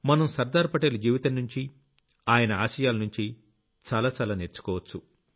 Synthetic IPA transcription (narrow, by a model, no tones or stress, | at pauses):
mɐnɐmsɐɾd̪aːɾpɐʈeːlud͡ʒiːʋit̪ɐnːuɲt͡ʃi | aːjɐnɐaːʃɐjaːlɐnuɲt͡ʃi | t͡ʃaːlaːt͡ʃaːlaːneːɾt͡ʃu̥kɔːʋɐt͡ʃːu